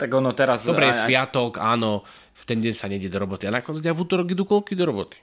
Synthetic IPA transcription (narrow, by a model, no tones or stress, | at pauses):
t̪aɡɔnɔt̪ɛɾasd̪ɔbɾɛjɛsʋɪat̪ɔkaːnɔ | ft̪ɛnɟɛɲsaɲɛjɟɛd̪ɔɾɔbɔt̪ianakɔnt͡siɟavuːt̪ɔɾɔɡid̪ukɔlkid̪ɔɾɔbɔt̪i̥